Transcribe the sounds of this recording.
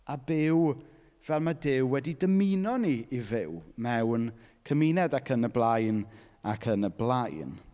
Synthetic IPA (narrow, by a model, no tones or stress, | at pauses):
abɪw | v̥ɛlˠmadɪwwɛdidəminɔniːvɪwmɛwnkʰəminɛdakʰənəblˠajn | akʰənəblˠajn